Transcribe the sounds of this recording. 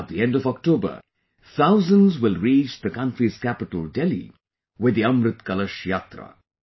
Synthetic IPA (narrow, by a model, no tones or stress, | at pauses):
t̪̚d̪iɛ̃ndɔvɔk̚ʈoːbə̰ | t̪ʰaʊzə̃nzwɪlˠɾiːt͡ʃðəkʌ̃nʈɾiz̥kæpɪʈəl̩ˠɖɛlḭ | wɪd̪ːiʌ̃mɾɨt̪kʌləʃjaːt̪ɾə̰